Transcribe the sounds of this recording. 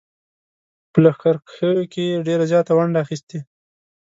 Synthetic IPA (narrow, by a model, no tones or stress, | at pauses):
pəlaxkaɾəjokeɖeɾazjɑt̪awaɳɖaːxist̪e